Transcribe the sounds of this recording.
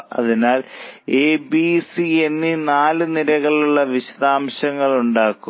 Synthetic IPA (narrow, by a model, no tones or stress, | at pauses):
ɐ̰ðinaːleːbisienːinaːlɨniɾɐɣɐɭuɭːɐʋiɕɐðaːmɕɐŋːɐɭuɳɖaːkːu